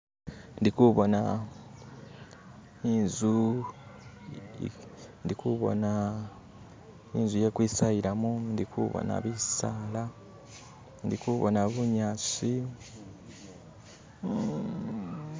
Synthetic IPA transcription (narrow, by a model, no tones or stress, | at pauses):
ndikuβo̞na | inzu | ndikuβo̞̰na | inzujekwiːsajiɾamundikʰṵβo̰na̰βisaːla | ndikuβo̞̰naβuɲaːt͡si